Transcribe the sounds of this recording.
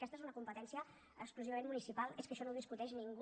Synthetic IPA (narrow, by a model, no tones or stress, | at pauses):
kɛst̪ezunəkumpət̪ɛnsiə | əkskluziβmẽnmunisipalˠeskəʃɔnowðiskut̪ɛʃniŋɡ